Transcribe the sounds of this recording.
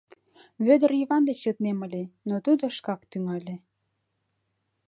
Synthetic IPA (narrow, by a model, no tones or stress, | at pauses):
βød̪əriβɑnd̪et͡ɕjøt̪nemə̆lʲenot̪ud̪oʃkɑkt̪yŋɑlʲe